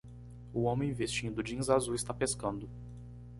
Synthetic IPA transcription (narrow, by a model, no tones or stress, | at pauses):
ʊõmẽj̃vest͡ʃĩnd̪ʊd͡ʒĩzazuɪst̪apeskɐ̃nd̪ʊ